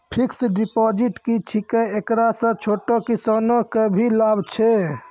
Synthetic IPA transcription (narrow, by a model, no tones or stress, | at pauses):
pʰiksɖipɔd͡ʒiʈkit͡ʃʰikeekɾasə̃t͡ʃʰoʈokisanokəbʱilabt͡ʃʰe